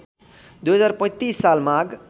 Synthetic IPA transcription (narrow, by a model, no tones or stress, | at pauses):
d̪ujɦʌd͡zaɾpʌ̃t̪isːalmaɡ